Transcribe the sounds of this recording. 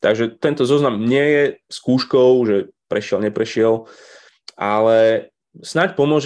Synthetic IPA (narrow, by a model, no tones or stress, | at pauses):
t̪aɡʒɛt̪ɛnt̪ɔzɔznamɲɪɛjɛskuːʃkɔʊʒɛpɾɛʃɪɛlɲɛpɾɛʃɪɛl | ʔalɛ | snacpɔmʊɔʒ